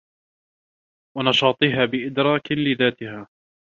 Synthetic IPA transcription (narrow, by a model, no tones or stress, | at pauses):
wɑnɑʃɑːt̪ˤɪɦaːbɪʔɪd̪ɾˤɑːklɪðaːt̪ɪhaː